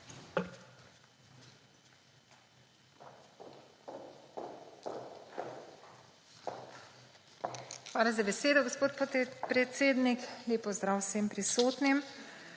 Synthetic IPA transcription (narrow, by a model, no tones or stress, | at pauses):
xʋaːlazabɛseːd̪ɔɡospoːt̪p̪pɾɛt̪seːd̪nikleːpɔzd̪ɾaːwsempɾisoːt̪nim